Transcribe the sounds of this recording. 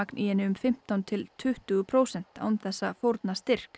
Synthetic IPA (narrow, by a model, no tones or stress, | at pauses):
aknʔiɛnːɪʏmfɪm̥t̪awnt̪ʰɪlt̪ʰʏht̪ʏɣʏpʰɾowsɛn̥t̪a̰wʏmθɛsːafowɾt̪nast̪ɪr̥k